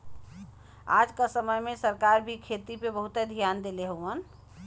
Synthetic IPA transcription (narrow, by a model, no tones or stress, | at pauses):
a̰d͡ʒkasəməjmẽsəɾkaɾbʱikʰet̪ipebəɦut̪ed̪ʱijand̪eleɦuən